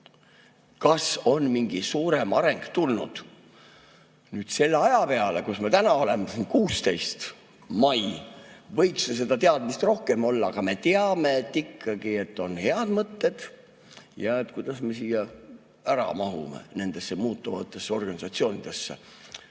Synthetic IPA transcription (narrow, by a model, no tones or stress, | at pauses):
kɑso̞nmiŋɡ̥isuːɾe̞mɑɾe̞ŋɡ̥t̪ulnṵd̪̥ | nyːd̪̥se̞lːeɑjɑpe̞ɑle̞kusmet̪ænɑo̞le̞mesinkuːst̪e̞jst̪ | mɑjvɤjkses̬e̞d̪̥ɑt̪e̞ɑd̪̥mist̪ro̞hke̞mo̞lːɑːɡ̥ɑme̞t̪eɑme̞et̪ːikʰːɑɡ̥ie̞t̪ːˑo̞nhe̞ɑd̪mɤt̪ːe̞d̪̥ | jɑet̪kujd̪̥ɑsme̞siːjɑ | æɾɑ̰mɑɦṵmḛne̞nd̪̥e̞sːemuːt̪ːˑuvɑt̪ːˑe̞sːeo̞rɡ̥ɑnisɑt̪sio̞ːnid̪̥e̞sːḛ